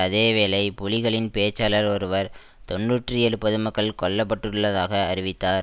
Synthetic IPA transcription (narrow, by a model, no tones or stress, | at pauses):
ɐðeːʋeːlɐɪpʊɭɪɣɐɭɪnpeːt͡ʃːaːlɐɾɔɾɯʋɐɾ | t̪ɔnːuːʈrɯɛɾɯpːɐðɯmɐkːɐɭkɔɭːɐp̬ːɐʈːɯɭːɐðaːɣɐːɾɪʋɪt̪ːaːɾ